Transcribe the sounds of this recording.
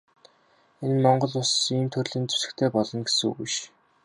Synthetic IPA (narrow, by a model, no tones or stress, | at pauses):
enmɔɴɢɞ̆ɮʊsiːmt̪ʰɵrɮĭːnt͡su̥sɘ̥̆kt̪ʰeːpɔɮɞ̆nɡesṵɣiʃ